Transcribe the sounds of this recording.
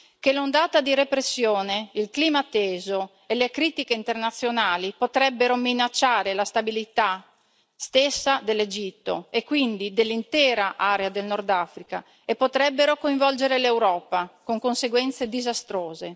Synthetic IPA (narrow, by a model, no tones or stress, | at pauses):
kelond̪aːt̪ad̪iɾepɾesːjoːneilkliːmaːt̪ːeːzo | elekɾiːt̪ikeint̪ernat̪sːjonaːlipot̪ɾɛbːeɾominat͡ʃːaːɾelast̪abilit̪a | st̪esːad̪elːed͡ʒit̪ːo̰ekːwind̪id̪elːint̪ɛːɾaʔaːɾead̪elnɔrd̪afɾika | epːot̪ɾɛbːeɾokoiɱvɔld͡ʒeɾelewɾɔːpakoŋkonseɡwɛnt̪sed̪izast̪ɾoːze